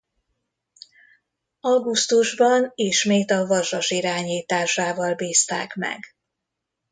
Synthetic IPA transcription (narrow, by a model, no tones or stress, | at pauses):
ɒɡust̪uʒbɒneːʃmeːt̪ɒvɒʒɒʃiɾaːɲiːt̪aːʃaːvɒlbiːst̪a̰ːkmɛ̰ɡ